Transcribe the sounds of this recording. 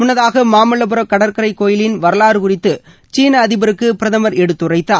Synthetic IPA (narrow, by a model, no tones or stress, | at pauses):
mʊnːɐðaːɣɐmaːmɐɭɐp̬ɯɾɐkːɐɽɐɾkɐɾɐɪkːoːjɪlɪnʋɐɾɐlaːɾɯkʊrɪt̪ːɯ | t͡ʃiːnɐːðɪbɐɾɯkːɯpɪɾɐðɐmɐɾɛɽɯt̪ːɯrɐɪt̪ːaː